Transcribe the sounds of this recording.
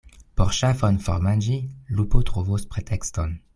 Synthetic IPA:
pɔʁʃafɔnfɔ̰ʁmad͡ʒilupot̪χovospχet̪ʰɛkst̪ɔn

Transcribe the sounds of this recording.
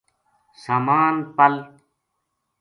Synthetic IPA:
samaːnpɐl

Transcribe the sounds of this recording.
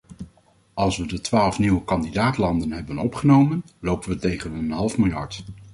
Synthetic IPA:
ɑlˠsʋədətʋaːlˠfniwəkɑndidaːtlɑndənɦɛbənɔpχənowmən | lowpənʋətejχənənɦɑlˠfmɪlˠjɑɹt

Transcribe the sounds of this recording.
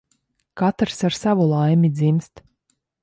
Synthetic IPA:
kat̪ɾsaɾsavulˠajmʲid̪zimst̪

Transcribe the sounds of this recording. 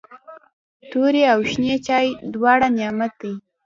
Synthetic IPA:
t̪oɾeawʃnet͡ʃɑjd̪wɑɽanjɑmat̪̚ij

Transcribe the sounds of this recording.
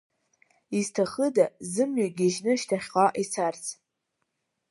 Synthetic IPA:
iztʰaχədazɨmɥaɡʲiʒnɨʃtʰaχʲqʼaʔit͡sʰart͡sʰ

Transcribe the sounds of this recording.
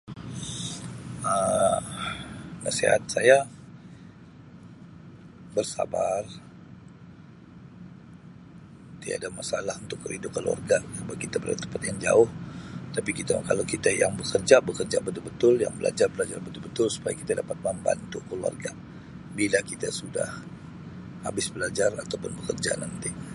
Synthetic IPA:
ə | nasḛha̰t̪̚saja | bərsa̰bar | t̪ia̰damasalahunt̪ʊkːəɾidʊkːəlua̰rɡasəbakit̪abəɾa̰lat̪ə̥mpat̪jaŋd͡ʒa̰ʊht̪apikit̪aka̰lawkit̪ajaŋbəkərd͡ʒabəkərd͡ʒabət̪ʊlbət̪ʊlja̰ŋbəlʔa̰d͡ʒarbəlad͡ʒarbət̪ʊlbət̪ʊlsu̥pajaki̥t̪adapat̪̚məmba̰nt̪ukəlua̰rɡa | bilakit̪asuda̰h | ha̰bɪsbəlad͡ʒarat̪awpʊnbəkərd͡ʒa̰nənt̪ɪŋ

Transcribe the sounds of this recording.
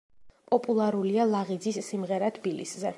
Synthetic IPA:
pʼɔpʼulˠaɾulialˠaʁid̪zisːimʁɛɾat̪ʰb̥ilḭszɛ

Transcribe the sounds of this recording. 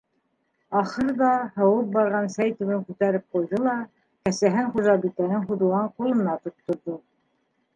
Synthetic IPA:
ɑχɤɾðɑhɤ̆wɤp̚bɑɾʁɑnsæjt̪ʉβɘŋkʉt̪æɾɘp̚qujðɤlˠɑ | kæsæɦɘɴχuʒɑbik̪ænɘŋχud̪uʁɑɴqulˠɤ̆nːɑt̪ŭt̪ːŏɾðo

